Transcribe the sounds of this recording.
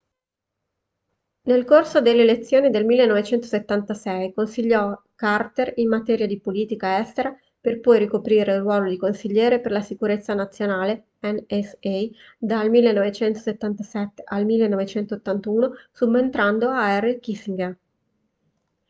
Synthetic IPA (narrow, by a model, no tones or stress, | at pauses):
nelkorsod̪elːeːlet̪sːjoːnid̪elmilːenːɔvet͡ʃɛnt̪o̥set̪ːant̪asɛjkonsiʎːɔ | kart̪erimːat̪ɛːɾjad̪ipoliːt̪ikaɛst̪eɾa | perpɔjɾikopɾiːɾeurːwɔːlod̪ikonsiʎːɛːɾeperlasikuɾet̪sːanat̪sːjonaːle | ɛnɛsɛj | d̪almilːenːɔvet͡ʃɛnt̪o̥set̪ːant̪asɛt̪ːe̥ʔalmilːenːɔvet͡ʃɛnt̪ot̪ːant̪uːnosumːent̪ɾand̪oaɛrːekisiŋɡa